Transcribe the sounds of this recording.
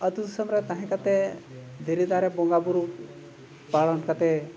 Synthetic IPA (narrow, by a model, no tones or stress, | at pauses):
ət̪ud̪səmɾɛt̪aɦɛ̃kat̪ɛ | d̪ʱeɾid̪aɾɛbɔŋɡabuɾu | paɭɔnkat̪ɛ